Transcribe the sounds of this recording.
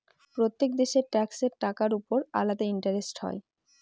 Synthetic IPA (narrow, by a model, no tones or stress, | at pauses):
pɾot̪ːek̚d̪eʃeɾʈɛkseɾʈakaɾupoɾa̰lad̪aiɳʈaɾesʈɦɔ̰e